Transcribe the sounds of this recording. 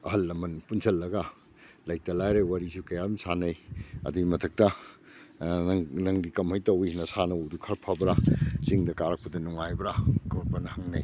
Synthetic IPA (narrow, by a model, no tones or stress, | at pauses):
ɐɦɐlːɐmɐnpunsʰɐlːɐɡɐ | lɐjk̚tɐlajɾejwaɾisukɐjabɐnsanɐjɐ̰duɡimɐtʰɐk̚tɐ | nɐŋdikɐmhɐjtɐwinɐsanɐwudukʰɐɾpʰabɾasiŋdɐkaɾɐk̚pɐdɐnuŋajbɾakoɾbɐnɐhɐŋnɐj